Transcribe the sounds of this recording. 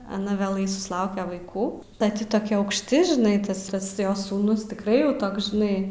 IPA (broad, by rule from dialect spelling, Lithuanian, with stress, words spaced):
ɐˈnɐ ʋʲeːˈlˠɐɪ sʊsˈlˠɐʊkʲɛ ʋɐɪˈkuː ˈdɐ ˈtʲɪ toːˈkʲɛ ɐʊkʃʲˈtʲɪ ʒʲɪˈnɐɪ ˈtɐs ˈtɐs ˈjoːs suːˈnʊs tʲɪkˈrɐɪ jɛʊ ˈtoːks ʒʲɪˈnɐɪ